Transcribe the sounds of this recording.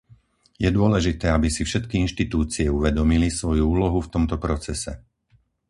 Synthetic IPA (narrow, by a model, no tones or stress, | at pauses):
jɛd̪ʊɔlɛʒit̪ɛːabisifʃɛt̪kiinʃt̪it̪uːt͡siɛuʋɛd̪ɔmilisʋɔjuuːlɔɦuft̪ɔmt̪ɔpɾɔt͡sɛsɛ